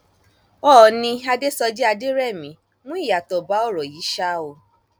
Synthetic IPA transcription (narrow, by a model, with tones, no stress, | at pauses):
ɔ˦˨nĩ˧a˧de˦sɔ˧d͡ʒɛ˦a˧de˦ɾɛ˦˨mĩ˨˦ | mũ˦i˦˨ja˨tɔ˨ba˨˦ɔ˦˨ɾɔ˨ji˨˦ʃa˦o˧˨